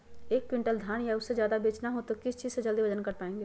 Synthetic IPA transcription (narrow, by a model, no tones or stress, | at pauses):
eːkːwɪ̃ɳʈəld̪ʱaːɽ̃jaʊsːezjaːd̪abeːt͡ʃnaɦot̪okɪst͡ʃiːzsed͡ʒɐld̪iʋɐd͡ʒənkɐɾpaːẽːŋɡeː